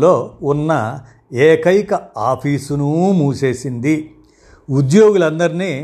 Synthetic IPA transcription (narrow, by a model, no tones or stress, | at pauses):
lo̞ːunːɐ | eːkɐjkɐaːpʰiːsunumuːse̞ːsind̪i | ud̪jo̞ːɡulɐnd̪ɐɾiniː